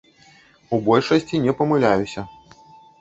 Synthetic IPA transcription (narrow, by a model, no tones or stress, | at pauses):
ubɔlʲʂɐsʲt͡sʲinʲɛpɐmɨlʲajusʲɐ